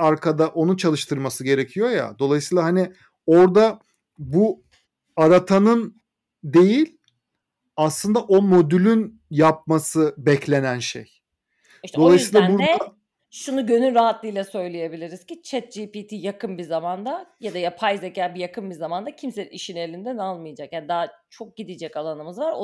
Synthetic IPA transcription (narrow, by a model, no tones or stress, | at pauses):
aɾkʰad̪aʔo̞nut͡ʃʰalˠɯʃt̪ʰɯɾmasɯɟe̞ɾe̞cʰijo̞ja̰d̪o̞lˠajɯsɯiːlˠaɦani | o̞ɾd̪a | bu | aɾat̪ʰanɯn | d̪e̞jilʲ | aslˠɯnd̪aʔo̞mo̞d̪ylʲyn | jap̚masɯbɛclʲe̞nænʃḛj | iʃt̪d̪o̞lˠajsiːlˠabuɾɛ | ʃunuɟø̞nynɾaɦat̪lˠɯjlʲˠɛsø̞jlʲeje̞bilʲiɾiz̥cit͡ʃʰɛt̪̚d͡ʒipiːt̪ʰiːjakɯnbizamand̪ajad̪ajapʰajzecʰaːbijakʰɯnbizamand̪acʰimseiʃine̞lʲind̪ænalˠmɯjad͡ʒakjanid̪aːt͡ʃʰo̞k̚ɟid̪id͡ʒɛcalˠanɯmɯzvaɾ